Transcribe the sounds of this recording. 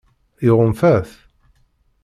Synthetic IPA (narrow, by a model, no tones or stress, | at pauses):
iʁəmfæθ